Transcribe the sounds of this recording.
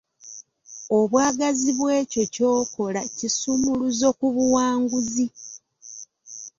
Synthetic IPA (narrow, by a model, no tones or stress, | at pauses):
o̞βwaːɡaziβwe̞ːco̞co̞ːko̞lacisumuluzo̞kuβuwaːŋɡuzi